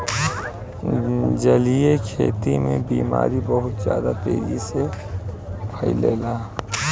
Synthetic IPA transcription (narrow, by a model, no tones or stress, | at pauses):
d͡ʒəlijekʰeːt̪imẽbiːma̰ːɾibəɦʊt̪zja̰ːd̪ap̪eːd͡ʒise | pʰəileːlaː